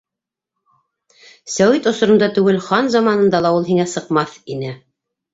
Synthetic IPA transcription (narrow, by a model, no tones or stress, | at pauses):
sæwit̪ŏsŏɾŏnd̪ɑt̪ʉɡɘlχɑnzɑmɑnɤ̆nd̪ɑlˠɑulˠɦiŋæsɤ̆qmɑθinɘ